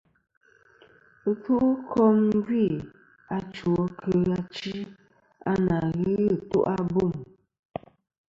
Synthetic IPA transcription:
ku˦ʔkʰɔ˦m˦ɡɥi˦˨ | a˦t͡ʃwɔ˦kʰə˦a˦t͡ʃi˦ | a˦na˨ɣɨ˦˨tṵ˦ʔa˦bu˦˨m

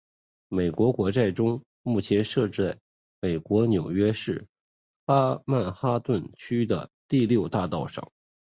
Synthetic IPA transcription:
me˨˩ɪkwɔ˧˥kwɔ˧˥ʈ͡ʂa˥˩ɪʈ͡ʂʊ˥ŋ | mu˥˩t͡ɕʰjɛ˧˥nʂɤ˥˧ʈ͡ʂ̩˥˩ | me˨˩ɪkwɔ˧˥njo˨˩ʊɥɛ˥ʂɻ̩˥˩ | xa˥ma˥˩nxa˥t̪wə˥˩nt͡ɕʰy˥d̪ə̰˨t̪i˥˧ljo˥˧ʊt̪a˥˧t̪ɑ˥˩ʊʂɑ̰˨˩˦ŋ

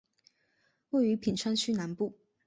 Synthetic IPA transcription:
we˥˩ɪy˨˥pʰi˨˩nʈ͡ʂʰwa˥nt͡ɕʰy˥na˧˥npu˥˩

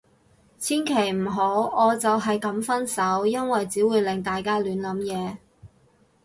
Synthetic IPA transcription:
t͡sʰiː˥nkʰe˨˩jm̩˨˩ɦo˨˥wɔː˨˧t͡sɐ˨wɦɐ˨jkɐ˨˥mfɐ˥nsɐ˨˥wjɐ˥nwɐ˨jt͡siː˨˥wuː˨˧jlɪ˨ŋt̪aː˨jkaː˥lyː˨˥nlɐ˨˥mjɛː˨˧

